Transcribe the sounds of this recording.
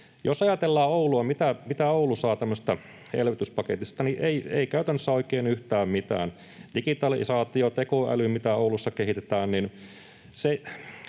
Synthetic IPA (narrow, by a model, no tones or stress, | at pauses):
josɑjɑt̪elːɑːouluɑmit̪æmit̪æoulusɑːt̪æmːøse̥st̪ɑ | hḛlʋit̪yspɑket̪ist̪ɑniʔeiḛikæyt̪ænːøsːæoikeːnyht̪æːmmit̪æ̰ːn | dikit̪ɑlisɑːt̪iot̪ekoæ̰lymit̪æoulusːɑkeɦit̪et̪æːnnin | se